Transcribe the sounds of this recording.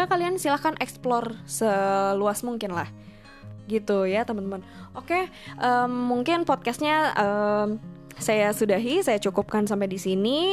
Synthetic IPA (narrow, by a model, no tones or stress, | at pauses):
akaliansilahkanʔɛksplɔrsəluasmuŋkɪnlah | ɡit̪ujat̪əmənt̪əmən | ʔoke | ʔəmːuŋkɪnpɔt̪̚kast̪̚ɲaə | sajasudaɦisajat͡ʃukup̚kansampedisini